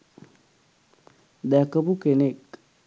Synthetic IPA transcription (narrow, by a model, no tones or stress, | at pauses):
d̪ækəpukenek